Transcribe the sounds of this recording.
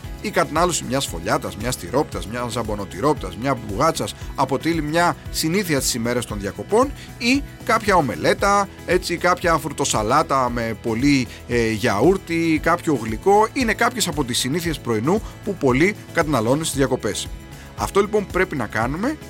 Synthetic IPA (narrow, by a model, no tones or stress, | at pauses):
ikɐt̪nɐlosimɲɐsfo̞̰ʎɐt̪ɐzmɲɐst̪iɾo̞pi̥t̪ɐzmɲɐzɐbo̞no̞t̪iɾo̞pit̪ɐzmɲɐvuɣɐt͡sɐsɐpo̞t̪ilimɲɐsiniθiɐst̪i̥sime̞ɾɐst̪o̞nðjɐko̞po̞n | ikɐpçɐo̞me̞̰le̞t̪ɐ | e̞t͡sikɐpçɐːfɾut̪o̞sɐlɐt̪ɐme̞po̞li | ʝɐuɾt̪ikɐpço̞ːɣliko̞ine̞kɐpçe̞sɐpo̞t̪isiniθie̞spɾo̞inupupo̞likɐt̪ɐnɐlo̞nunst̪izðʝjɐko̞pe̞s | ɐ̰ft̪o̞lipo̞mpɾe̞pinɐkɐnume̞